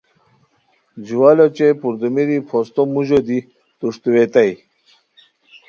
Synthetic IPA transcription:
d͡ʑuwalot͡ɕepuɾd̪umiɾipʰost̪omuʑod̪i | t̪uʂt̪uwet̪aj

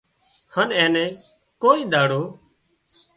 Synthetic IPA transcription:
hənɛ̃ːnɛ̃ː | koːiːd̪aːɽoː

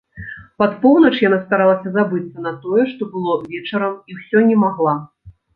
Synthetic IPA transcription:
pat̪pɔwnɐt͡ʂjan̪ast̪aɾalˠɐsʲɐzabɨt̪sɐnɐt̪ɔjɛʂt̪ɔbɨlˠɔvʲɛt͡ʂɐɾɐmiwsʲɔnʲɛmaɣlˠa

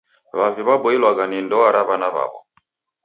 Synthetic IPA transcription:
βaviβabɔilwaɡanindɔaɾaβanaβa̰βɔ̰

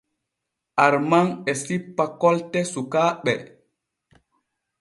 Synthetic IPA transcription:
ʔaɾmaŋɛsipːakɔltɛsukaɓɛ̰

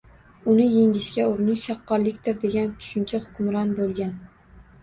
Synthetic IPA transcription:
ʊnɪjeŋʲɪʃkʲaʊɾɪnɪʃːɑqːɒɾlɪkʲt̪ʰɪɾd̪e̞ɡʲant̪ʰʊ̥ʃɪnt͡ʃʰahʊ̥kʲʰʊmɾɒnbolˠɡʲan

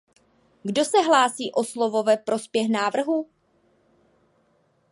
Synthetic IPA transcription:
ɡdo̞sɛɦlaːsiːʔo̞slovo̞vɛpɾʔo̞spjɛxnaːvr̩ɦu

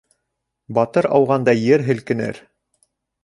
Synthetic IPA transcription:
bɑt̪ɤɾɑwʁɑnd̪ɑjɘɾɦɘ̆lkɘ̆nɘ̰ɾ

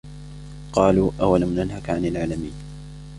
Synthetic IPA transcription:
qɑːluːʔawalamnanɦakʕanalʕaːlamiːn

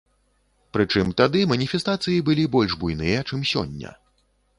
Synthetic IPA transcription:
pɾɨt͡ʂɨmt̪ad̪ɨmɐnʲifʲɛst̪at̪sɨjibɨlʲibɔlʲʐbujnɨjɐt͡ʂɨmsʲɔ̰nʲːɐ̰

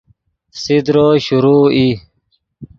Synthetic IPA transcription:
sid̪ɾoːɕuɾuːi

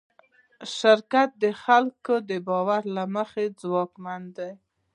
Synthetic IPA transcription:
ʃɪɾkat̪̚d̪əxalkod̪əbɑwaɾlaməxed͡zwɑkmand̪aj

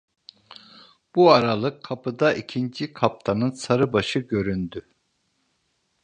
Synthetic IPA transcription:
b̥uaɾalˠɯkʰːapʰɯd̪aʔicʰind͡ʒikʰap̚t̪ʰanɯnsaɾɯbaʃɯɟø̞ɾynd̪y

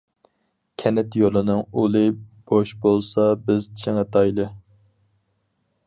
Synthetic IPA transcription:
kʲʰɛnɛt̪jolˠɨnɨŋulˠɨb̥oʃbolˠsɑbɪzt͡ʃʰɪŋət̪ʰɑjlˠɨ

